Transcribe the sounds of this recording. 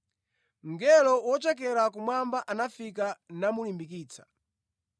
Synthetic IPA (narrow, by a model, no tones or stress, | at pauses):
ŋ̩ɡɛlɔwɔt͡ʃɛk̬ɛɾakumwambaʔanafikanamulimbik̬iːt͡sʰḁ